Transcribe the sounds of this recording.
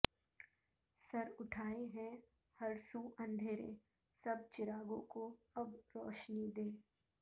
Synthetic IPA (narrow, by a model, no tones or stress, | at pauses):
sɐɾʊʈʰaːeɦɛ̃ | hɐɾsuɐ̃nd̪ʱeːɾḛ | sɐb̚t͡ʃɪɾaːɡõko | ɐbɾɔ̰ːʃnid̪eː